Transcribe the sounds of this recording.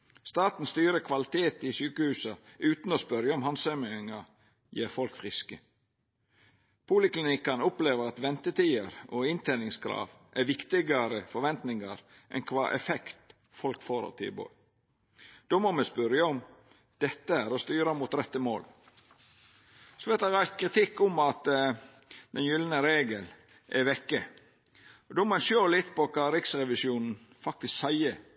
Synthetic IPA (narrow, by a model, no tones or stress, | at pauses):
st̪ɑːt̪n̩st̪yːɾəkʰʋɑlɪt̪ʰeːt̪ɪsyːkəhʉːsɑʉːt̪n̩ɔspœɾjɑɔmhɑnsɛmɪŋɑ | jeːɾfɔlkfɾɪskə | pʰuːlɪklɪnɪkːɑnʊpleːʋəɾɑt̪ʋɛnt̪ət̪ʰiːəɾɔɪnt̪ʰenɪŋskɾɑ̰ːʋ | ʔæʋɪkt̪ɪɡɑɾəfɔɾʋɛnt̪nɪŋɑɾ | ʔɛ̰nkʰʋɑːʔɛ̰fɛkt̪ | fɔlkfoːɾə̰t̪ʰɪ̰bɔ̰ʏ | d̪̥ʊmɑməspʉɾjəɔm | d̪̥ɛt̪ːəæɾɔst̪yːɾəmut̪ɾɛt̪ːəmoːl | sɔʋɛt̪ɑɾæɪst̪̚kʰɾɪt̪ʰɪkːʊmɑt̪ | d̪ɛnjʏlənəɾeːɡəl | ʔɛʋɛkːə | ɔd̪ʊmənʃøːlɪt̪ːpɔkʰɑːɾɪksɾɛʋɪsuːnn̩ | fɑk̚t̪ɪsksæɪə